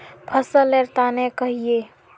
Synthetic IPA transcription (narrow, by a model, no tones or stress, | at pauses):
pʰəsəleɾt̪anekəɦie